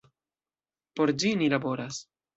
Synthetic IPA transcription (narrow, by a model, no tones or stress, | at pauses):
po̞ɾd͡ʒinilabo̞ɾas